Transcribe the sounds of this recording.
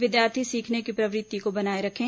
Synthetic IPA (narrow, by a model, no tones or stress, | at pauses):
ʋɪd̪jaːɾt̪ʰisiːkʰnekipɾɐʋɾɪt̪ːikobɐnaːeɾɐkʰẽ